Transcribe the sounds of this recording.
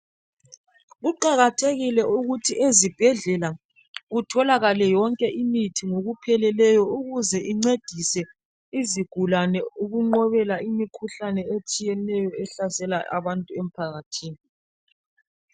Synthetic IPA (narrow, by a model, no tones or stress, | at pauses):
ɣuǃaɣatʰeɣilɛʔuɣutʰiʔezib̥ʱɛɮɛla | ɣutʰɔlaɣalɛjɔŋkʼɛʔimitʰiŋoɣupʰɛlɛlɛjɔuɣuzɛʔiŋ͡ǀed̥ʱisɛ | iziɡ̥ʱulanɛuɣuŋ͡ǃɔβɛlaʔimikʰuɬanɛet͡ʃʼijɛnɛjɔɛɬasɛlaʔa̰βantʼuem̩pʰaɣatʰiːni